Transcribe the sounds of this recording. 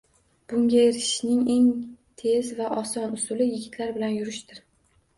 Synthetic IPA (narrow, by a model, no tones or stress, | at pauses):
b̥ʊŋʲaeɾɪʃnɪŋe̞ŋt̪ʰe̞zvaʔɒsɒnʊsʊlɪjɪɡʲɪt̪ʰlaɾbɪlanjʊɾɪʃt̪ɪɾ